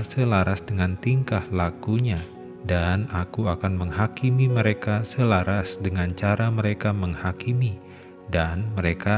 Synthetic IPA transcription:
səlaɾasdəŋant̪iŋkahlakuɲa | danakuakanməŋɦakimiməɾekasəlaɾasdəŋant͡ʃaɾaməɾekaməŋhakimi | danməɾeka

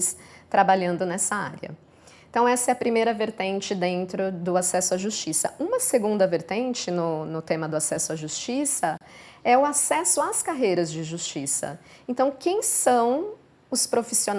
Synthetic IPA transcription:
st̪ɾabaʎɐ̃nd̪ʊnɛsɐa̰ɾiɐ̰ | ẽt̪ɐ̃w̃ɛsɐɛɐpɾimejɾɐveɾt̪ẽnt͡ʃɪd̪ẽnt̪ɾʊd̪ʊasɛsʊɐʒust͡ʃisɐ̰ũmɐseɡũnd̪ɐveɾt̪ẽnt͡ʃɪnʊnʊt̪ẽmɐd̪ʊasɛsʊɐʒust͡ʃisɐ | ɛʊasɛsʊaskaɦejɾɐzd͡ʒɪʒust͡ʃisɐ̰ẽnt̪ɐ̃w̃kẽj̃sɐ̃w̃ | ʊspɾofision

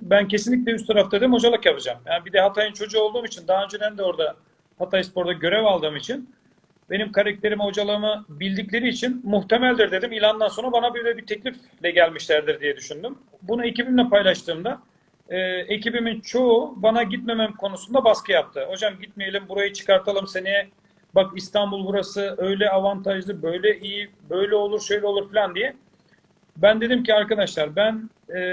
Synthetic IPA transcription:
bæncʰe̞sinlʲic̬ʲlʲɛyst̪ʰaɾaft̪ad̪imho̞d͡ʒalˠɯkjapɯd͡ʒamjanbid̪ɛɦat̪ʰajɯnt͡ʃʰo̞d͡ʒuolˠuːmit͡ʃʰind̪aɦaø̞nd͡ʒe̞d̪ænd̪ɛo̞ɾd̪a | hat̪ʰajɯspo̞ɾd̪aɟø̞ɾɛvalˠd̪ɯːmit͡ʃʰin | be̞nimkʰaɾak̚t̪ʰe̞ɾimho̞d͡ʒalˠɯːmɯbilʲd̪iclʲe̞ɾiːt͡ʃʰinmuxt̪ʰe̞mælʲd̪iɾd̪ed̪imilʲand̪anso̞nɾabanabøjlʲɛbit̪ʰɛclʲif | lʲɛɟælʲmiʃlʲæɾd̪iɾd̪ijɛd̪yʃynd̪ym | bunuecibimlʲɛpʰajlˠaʃt̪ʰɯːmd̪a | ɛːe̞cibimint͡ʃʰo̞ubanaɟit̪me̞memkʰo̞nusund̪abaskʰɯjap̚t̪ʰɯho̞d͡ʒamɟit̪̚mejelʲimbuɾajɯt͡ʃʰɯ̥kaɾt̪ʰalˠɯmse̞ni | bakist̪ʰanbulˠbuɾasɯø̞jlʲɛavant̪ʰaʒlˠɯbø̞jlʲɛʔiji | bø̞jlʲɛo̞lˠuɾʃø̞jlʲɛo̞lˠuɾfilʲand̪ijɛ | bænd̪e̞d̪imciaɾkad̪aʃlˠaɾbæn | ɛː

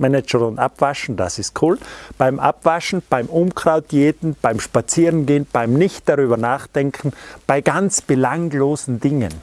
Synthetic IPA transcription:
mɛnɛt͡ʃənʊnda̰pv̥aʃn̩da̰sɪst̚kʰuːlb̥aɪmʔa̰pv̥aʃn̩b̥aɪmʔʊmkʁ̥aʊt̚d̥jeːtn̩b̥aɪmʃpat͡siːʁənɡeːnb̥aɪmnɪçt̚d̥aʁyːbɐnaːχd̥ɛŋkʰn̩b̥aɪɡ̥ant͡sb̥əlaŋloːzn̩dɪŋə̰n

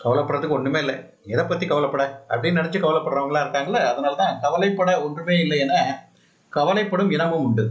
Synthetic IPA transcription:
kɐʋɐlɐpːɐɽrɐðɯkːɯɔnɖɯmeːɪlːɐ | ɛðɐpːɐt̪ːikɐʋɐlɐpːɐɽɐɐ̰pːɐɽɪnɐɽɐt͡ʃːɯkɐʋɐlɐpːɐɽɾaːʋɐŋɡɐɭãːɪɾɯkːaːŋɡɐɭːɐːðɐnaːlɐt̪ãːkɐʋɐlɐɪpːɐɽɐɔndrɯmeːɪlːɐɛnːɐ | kɐʋɐlɐɪpːɐɽɯmɪnɐmɯmʊɳɖɯ

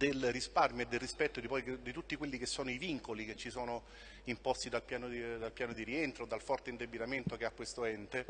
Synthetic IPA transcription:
d̪elrisparmed̪ːelrispɛt̪ːod̪ipɔjkd̪it̪ut̪ːikwelːikesːoːnoiviŋkolik̟et͡ʃːisoːno | impɔst̪id̪alpjaːnod̪alpjaːnod̪iɾient̪ɾod̪ːalfɔrt̪eind̪ebːit̪ament̪okeakːwest̪oɛnt̪e

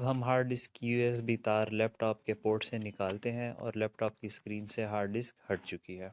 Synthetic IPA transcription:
bɦɐmɦaːɾɖɪskjuːeːs̬bʱit̪aːɾlɛːpʈɔːp̚kepoːɾʈsenɪkaːlt̪eɦɛ̃ʔɔ̰ːɾlɛːpʈɔːp̚kiskɾiːnseɦaːɾɖɪskhɐʈ̚t͡ʃʊkiɦɛː

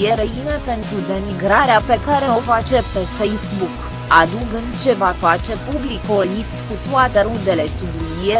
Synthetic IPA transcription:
eɾəine̞pe̞nt̪ɾud̪e̞miɡɾaɾeape̞kaɾe̞o̞fat͡ʃe̞pe̞fejsbuk | ad̪uɡɨnd̪t͡ʃe̞vafat͡ʃe̞publikolist̪kut̪uat̪e̞ɾund̪e̞le̞sub̪uie

